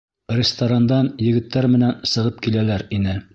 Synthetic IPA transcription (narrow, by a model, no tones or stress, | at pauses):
rʲɪst̪oɾand̪ɑnjɘ̆ɡɘ̆t̪ːæɾmɘ̆nænsɤ̆ʁɤp̚kilælæɾinɘ